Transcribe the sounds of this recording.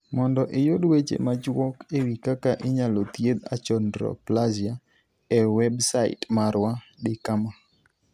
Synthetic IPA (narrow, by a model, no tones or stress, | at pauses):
mɔndɔʔɪjodwet͡ʃḛmad͡ʒwɔkewikakaʔɪɲalot̪jed̪a̰t͡ʃɔndɾɔ̰plazja | ɛwɛbsaɪ̰tmaɾwa | dɪkama